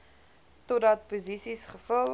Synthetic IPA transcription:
todɐt̚puzisisχəfəl

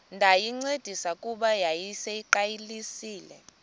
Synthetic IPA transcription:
ndʱajiŋ͡ǀed̥ʱisakʼuɓajajisejiǃajilisiːlɛ

